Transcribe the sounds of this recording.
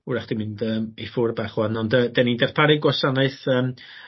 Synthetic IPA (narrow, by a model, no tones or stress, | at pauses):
uɾaχd̥imɪndəːmifʊrbaχwanɔndədɛnindɛrpʰaɾɨɡwɔsanɨɨθəːm